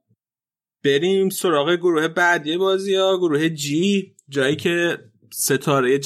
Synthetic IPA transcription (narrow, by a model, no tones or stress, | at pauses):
b̥e̞ɾiːmso̞ɾɒːɣe̞ɡoɾuːhe̞bæd̪ijebɒːziɒːɡoɾuːhe̞d͡ʒi | d͡ʒɒːjiːcʰe̞ | se̞t̪ʰɒːɾejed͡ʒ